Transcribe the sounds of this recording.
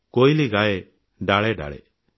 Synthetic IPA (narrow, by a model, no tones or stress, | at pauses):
kojliɡajɛ | ɖaɭɛɖa̰ɭɛ̰